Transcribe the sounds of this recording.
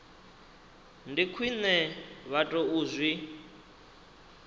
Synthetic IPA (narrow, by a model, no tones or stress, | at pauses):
ndikʰwinɛβatʼɔuːzʷwi